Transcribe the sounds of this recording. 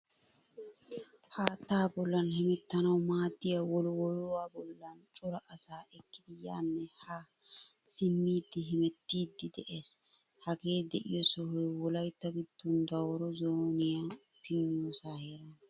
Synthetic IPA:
haːt̪ːaːbɔlːɐnhɪmɪt̪ːɐnɐwmaːd̪ːɪjɐwɔlɔwɔlɔwaːbɔlːɐnt͡ʃʼɔɾɐʔɐsaːʔɛkːɪd̪ɪjaːnːɛhɐ | sɪmːiːd̪ːɪɦɪmɛt̪ːiːd̪ːɪd̪ɛʔeːs | hɐɡe̞ːd̪ɛʔɪ̰jɔsɔhɔjwɔlɐjt̪ːɐɡɪd̪̥ːʊnd̪ɐwɾɔzonɪja | pʰɪnɔsaːheːɾɐ

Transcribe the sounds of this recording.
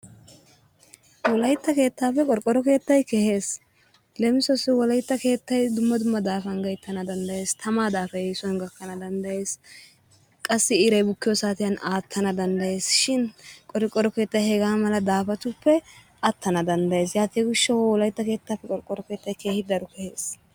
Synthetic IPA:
wɔlɐjt̪ːɐke̞ːt̪ːaːfɛkʼɔɾkʼːɔɾɔke̞ːt̪ːɐjkɛhe̞ːs | lɛmɪsɔsːɪwɔlɐjt̪ːɐke̞ːt̪ːɐjd̪ʊmːɐd̪ʊmːɐd̪aːfɐnɡɐjt̪ːɐnɐd̪ɐnd̪ɐje̞ːst̪ʰɐmaːd̪aːfɐjɛjsʊɐnɡɐkːɐnɐd̪ɐnd̪ɐje̞ːs | kʼɐsːɪɪɾɐjbʊkːɪjɔsaːt̪ɪjɐnaːt̪ʰːɐnɐd̪ɐnd̪ɐje̞ːsʃɪnkʼɔɾkʼːɔɾɔke̞ːt̪ːɐjhɛɡaːmɐlɐd̪aːfɐt̪ʊpːɛ | ʔɐt̪ːɐnɐd̪ɐnd̪ɐje̞ːs̬jaːt̪ɪɡʊʃːɛwwɔlɐjt̪ːɐke̞ːt̪ːaːfːɛkʼɔɾkʼːɔɾɔke̞ːt̪ːɐjkeːhɪd̪ɐɾɔkɛheːs

